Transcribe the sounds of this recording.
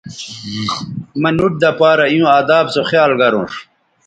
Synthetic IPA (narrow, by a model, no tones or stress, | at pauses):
mɐnuʈ̚d̪ɐpaːɾɐijũːaːd̪aːbsoχjaːlɡɐɾṵ̃ːʂ